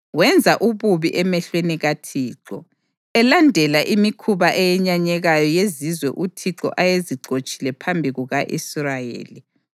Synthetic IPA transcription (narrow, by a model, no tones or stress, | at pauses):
wɛnd͡zʱaʔuβuβiʔɛmɛɬweniɣatʰiːǁɔ̰ | ɛlandʱɛlaʔimikʰuβaʔɛjɛɲaɲɛɣajɔjezizwɛʔutʰiǁɔ̰ʔajeziǃot͡ʃʼilɛpʰambʱiɣuɣaʔḭsrajḛːli